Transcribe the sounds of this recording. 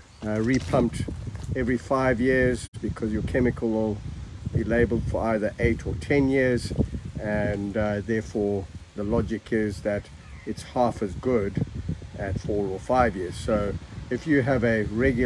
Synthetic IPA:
ɹipʰʌ̃mptɛvɹifaɪvjɪɹzb̥ɨkʰʌzjə˞kʰɛmɨkʰəl̩ˠwɪlˠbileɪbəl̩ˠd̥fə˞aɪðə˞ʔeɪɾʰətʰɛ̃njɪɹzɨ̃nðɛɹfɔɹðəlɑd͡ʒɨkʰɪzðɨɾ | ɨtshɑfɨzɡʊdɨtfɔɹəfaɪvjɪɹz̥soʊɨfjɨːvɨɹɛɡj

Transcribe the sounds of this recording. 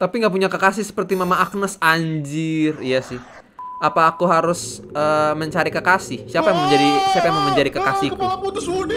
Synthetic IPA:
t̪apiŋɡaʔp̬uɲakəkasɪhsə̥pərt̪imamaʔːk̚nəsaɲd͡ʒɪrjasɪh | apaːkuɦaɾʊsəːməɲt͡ʃaɾikəkasɪhsiapajamaŋməɲd͡ʒadisiapajamaŋməɲd͡ʒadikəkasiku

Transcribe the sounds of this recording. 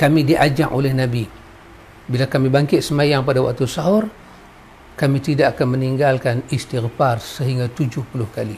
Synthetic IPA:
kamidiʔad͡ʒaŋʔolɛhnabi | bilakamibaŋkɪt̪̚səmajaŋpadawa̰k̚t̪usaɦɔr | kamit̪idaʔakanməniŋɡalkanist̪irfarsəɦiŋɡat̪ud͡ʒʊhpulʊhkali

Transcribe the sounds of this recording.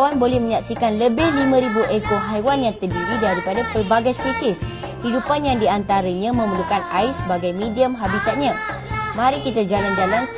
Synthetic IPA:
wanbolɛhmə̃ɲãksikanləbɪhlimãɾibuʔekoɦajwanjaŋt̪ərdiɾidaɾipadapərbaɡajspisɪs | hidupanjaŋdiant̪aɾəɲãmə̃mulukanaɪsəbaɡajmĩdiəmɦabit̪at̪̚ɲã | mãɾikit̪ad͡ʒaland͡ʒalan

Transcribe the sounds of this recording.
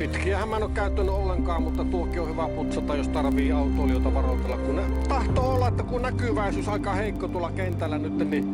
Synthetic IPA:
pit̪kiæhæmæˑnokæˑyt̪ːænːyʔolːeŋkɑːmmut̪ːɑt̪uokːˑiohyʋæput̪sɑt̪ːɑjjost̪ɑrʋˑiːɑˑut̪ˑoːlijot̪ɑʋɑrot̪elːɑkkunne | t̪ɑht̪oolːɑʔʔet̪ːækunnækyʋæˑisyːsɑˑikɑheˑikːot̪uolːˑɑkent̪ælːænyt̪ːenni

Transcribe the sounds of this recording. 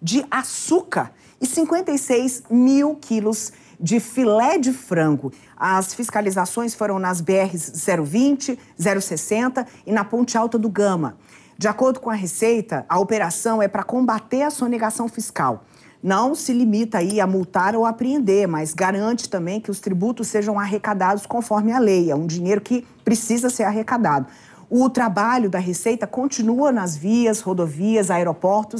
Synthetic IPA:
d͡ʒɪʔasukɐɾ | ɪsĩŋkwẽnt̪ejsejzmiwkʰilʊz | d͡ʒɪfilɛd͡ʒɪfɾɐ̃ɡʊ | ɐsfiskalizasõj̃sfoɾɐ̃w̃nɐzbeɛɦɪzzɛɾʊvĩt͡ʃɪzɛɾʊsesẽnt̪ɐɪnɐpõnt͡ʃɪawt̪ɐd̪ʊɡɐ̃mɐ̰ | d͡ʒɪakoɾd̪ʊkõɐɦesejt̪ɐʔɐopeɾasɐ̃w̃ɛpɾɐkõbat̪eɾɐsoneɡasɐ̃w̃fiska̰w | nɐ̃w̃sɪlimit̪ɐaiɐmuwt̪aɾowapɾiẽnd̪eɾmɐzɡaɾɐ̃nt͡ʃɪ̥t̪ɐ̃mbẽj̃kɪʊst̪ɾibut̪ʊsːeʒɐ̃w̃aɦekad̪ad̪ʊskõfɔɾmɪɐlejɛũd͡ʒiɲejɾʊkɪ | pɾesizɐseɾaɦekad̪ad̪ʊ | ʊt̪ɾabaʎʊd̪ɐɦesejt̪ɐkõnt͡ʃinuɐnɐzviɐzhod̪oviɐzaeɾopɔɾt̪ʊs

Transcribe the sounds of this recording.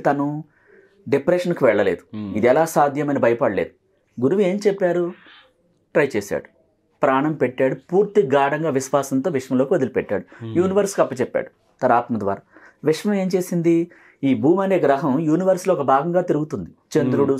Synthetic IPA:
t̪ɐnu | ɖepɾeːʂɐnkuʋɛɭːɐle̞̰ːd̪uid̪iɛlaːsaːd̪ʱjɐmɐnibʱɐjɐpɐɽɐle̞̰ːd̪u | ɡuɾuʋie̞ːmt͡ʃɛpːaːɾu | ʈɾɐjt͡ʃeːsa̰ːɽu | pɾaːɳɐmpeʈːaːɽupuːɾt̪iɡaːɽɐŋɡaːʋiʃʋaːsɐnt̪o̞ːʋiʂʋɐmlo̞ːkiʋɐd̪ilipɛʈːa̰ːɽujuːniʋɐɾskɐpːɐt͡ʃɛpːa̰ːɽu | t̪ɐnaːt̪mɐd̪ʋa̰ːɾaː | ʋiʂʋɐme̞ːmt͡ʃe̞ːsind̪i | iːbʱuːmɐne̞ːɡɾɐɦɐmjuːniʋɐɾsloːɔkɐbʱaːɡɐŋɡaːt̪iɾuɡut̪und̪it͡ʃend̪ɾuɽu

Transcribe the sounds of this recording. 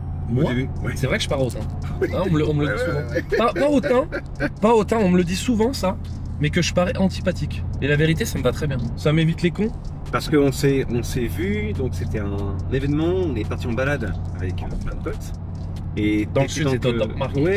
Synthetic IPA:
oad̪ebywɛsɛvʁɛkəʒ̥əpaʁot̪ɛ̃ | aɔ̃mləɔ̃mələd̪isuvɑ̃papaot̪ɛ̃ | paot̪ɛ̃ɔ̃mələd̪isuvɑ̃sa | mɛkəʒəpaʁɛʔɑ̃t̪i̥pat̪ikʲelaveʁit̪esaməvat̪χɛbjɛ̃samevit̪lekɔ̃ | paʁsə̥kəɔ̃sɛɔ̃sevyd̪ɔ̃kset̪ɛɛ̃nevɛnmɑ̃ɔ̃nɛpaʁt̪iɑ̃balad̪ | avɛkøplɛ̃d̪əpɔt̪ | ed̪ɑ̃lsỹt̪ɔɔmaʁɛ

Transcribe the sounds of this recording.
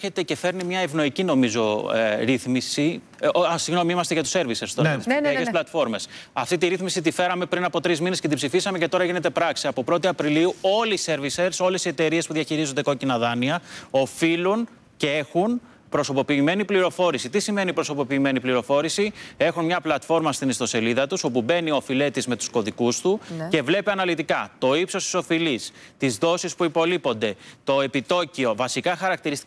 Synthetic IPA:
çet̪ece̞fe̞ɾnimɲɐevno̞icino̞mizo̞̰ɾiθmisi | siɣno̞miimɐst̪eʝɐt̪u̥se̞ɾviseɾst̪oɐsesplɐt̪fo̞ɾme̞sɐft̪it̪iɾiθmisit̪̬ife̞ɾɐme̞pɾinɐpo̞t̪ɾizminesce̞t̪̬ibsifisɐmece̞t̪o̞ɾɐʝine̞t̪e̞pɾɐksiɐpo̞pɾo̞t̪iɐpɾiliuo̞lise̞ɾvise̞ɾso̞le̞sie̞t̪e̞ɾie̞spuðiɐçiɾizond̪eko̞cinɐðɐniɐo̞filun | ceexun | pɾo̞so̞po̞piːme̞nipliɾo̞fo̞ɾisit̪isime̞nipɾo̞so̞po̞piːme̞nipliɾo̞fo̞ɾisie̞xunmɲɐplɐt̪fo̞ɾmɐst̪inist̪o̞se̞liðɐt̪uso̞pube̞nio̞file̞t̪izme̞t̪u̥sko̞ðikust̪uce̞vle̞piɐnɐlit̪ikɐt̪o̞ipso̞st̪i̥so̞filis | t̪izðo̞sispuipo̞lipo̞nd̪e̞t̪o̞e̞pit̪o̞cio̞vɐsikɐxɐɾɐk̚t̪iɾist̪i

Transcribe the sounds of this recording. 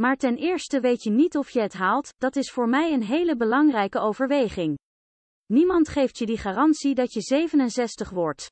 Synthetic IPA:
maːɹtɛnɪːɹstəʋejtənitɔfjəɦətɦaːlˠtd̥ɑtɪsfʊːɹmɛjənɦejləbəlɑŋrɛjkəowvəɹʋejχɪŋ | nimɑntχejftjədiχaːrɑntsidɑtjəzejvənənsɛstəχʋɔɹt

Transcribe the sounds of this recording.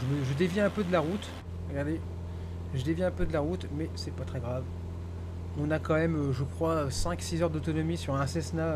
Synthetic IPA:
ʒəməʒəd̪evjiɛ̃pød̪əlaʁut̪ | ʁəɡaʁd̪e | ʒəd̪evjiɛ̃pød̪əlaʁut̪mɛsɛpat̪χɛɡʁav | ɔ̃nakɑ̃mɛmøʒəkχwaøsɛ̃ksizœʁd̪ot̪ɔnɔmisyʁɛ̃sɛsna

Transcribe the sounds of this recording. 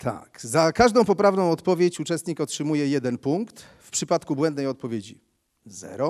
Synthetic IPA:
t̪ʰa̰kzakaʐd̪ɔ̃w̃pɔpɾavnɔ̃w̃ɔt̪pɔvʲjet͡ɕut͡ʂɛst̪ɲikɔtʂɘmujɛjɛd̪ɛnpuŋkt̪ | fpʂɘpat̪kubwɛnd̪nɛjɔt̪̚pɔvʲjed͡ʑḭ | zɛ̰ɾɔ

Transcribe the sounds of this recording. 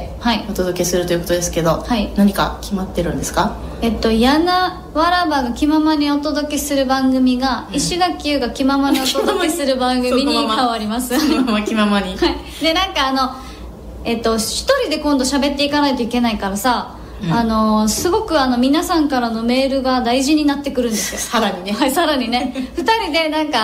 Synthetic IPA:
haiot̪o̞d̪o̞ke̞sɨɾɯ̟t̪ojɯ̟kot̪od̪e̞sɨ̥ke̞d̪o̞hainaɲ̟ika̰kʲimat̪ːe̞ɾɯ̟̃nd̪esɨ̥kae̞t̪ːo̞jana | βaɾabaɡakʲimamaɲ̟io̞t̪o̞d̪o̞ke̞sɨɾɯ̟bãŋɡɯ̟mʲiɡaiɕiɡ̪akʲːɯ̟ːɡakʲimamaɲiot̪od̪oke̞sɨɾɯ̟bãŋɡɯ̟mmʲiɲ̟ikaβaɾʲimasɨakʲimamaɲihai | d̪e̞nãŋkaːno̞ | e̞t̪ːo̞çi̥t̪o̞ɾʲid̪e̞kõ̞nd̪oɕabe̞t̪ːe̞ikanait̪o̞ike̞naikaɾasaː | no̞sɨɡo̞kɯ̟ano̞mʲinasãŋkaɾano̞me̞ːɾɯ̟ɡad̪aiʑiɲ̟inat̪ːe̞kɯ̟ɾɯ̟̃nd̪e̞sɨ̥joaɾaɲiasaɾaɲ̟ine̞ɸɯ̟̥t̪aɾʲid̪e̞nãŋka

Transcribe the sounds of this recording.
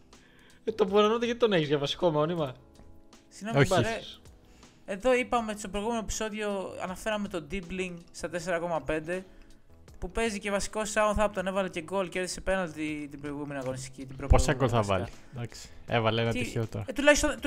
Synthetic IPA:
t̪opuɾɐnot̪eʝɐt̪it̪oneçizʝɐvɐsi̥ko̞mo̞nimɐ | sinooçe | e̞ðo̞ipɐme̞st̪opɾojɣume̞noepi̥so̞ðio̞ɐ̰nɐfe̞ɾɐme̞t̪o̞d̪ibliŋɡst̪ɐt̪e̞se̞ɾɐko̞mɐpe̞nd̪e̞ | pupe̞zice̞vɐsi̥ko̞sɐunθɐpot̪one̞vɐlece̞ɡo̞lceɾðisepe̞nɐlt̪it̪ibɾojɣume̞niɐɣo̞nist̪icit̪ibɾoposɐɡolθɐvɐ̰li | d̪ɐksi̥ḛvɐleenɐtiçeot̪oɾɐt̪ulɐçist̪o

